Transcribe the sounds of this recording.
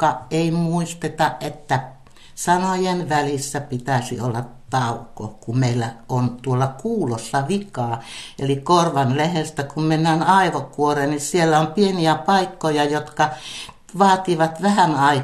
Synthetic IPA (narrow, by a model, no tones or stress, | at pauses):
kɑʔeimuist̪et̪ɑʔʔet̪ːæ | sɑnojenʋælisːæpit̪æˑsḭolːɑtt̪ɑukːˑo̰kummeilːæont̪uolːɑkuːlosːɑʋikɑːḛlikorʋɑnlehest̪ækummenːænɑiʋokuorennisielːæompieniæpɑikːojɑjot̪kɑ | ʋɑːt̪iʋɑt̪ʋæhænɑi